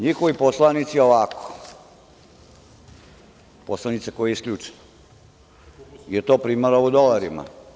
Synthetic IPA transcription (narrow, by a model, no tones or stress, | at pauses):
ɲixoʋiposlˠanit̪sioʋako̥ | poslˠanit̪sekojejiskʎʲuːt͡ʃe̥no | jet̪oːpɾiːmaɾaud̪olaɾima̰